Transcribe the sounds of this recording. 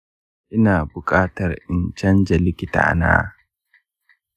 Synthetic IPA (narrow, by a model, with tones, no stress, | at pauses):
ʔɪ˦naː˨bʊ˨kʼaː˦tɐ˨rʔɪ˨nt͡ʃɐ˦nd͡ʒɐ˨lɪ˦kʲɪ˦ta̰˨a̰˨na̰ː˦